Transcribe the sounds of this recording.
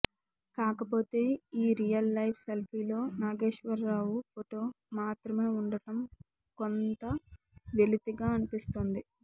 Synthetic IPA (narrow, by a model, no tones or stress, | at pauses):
kaːkɐpo̞ːt̪e̞ːiːɾijɐlːɐjpʰselpʰiːlo̞ːnaːɡe̞ːʂʋɐɾːaːwupʰoʈo̞ː | maːt̪ɾɐme̞ːuɳɖɐʈɐm | kont̪ɐ | ʋelit̪iɡaːɐnipist̪oːnd̪i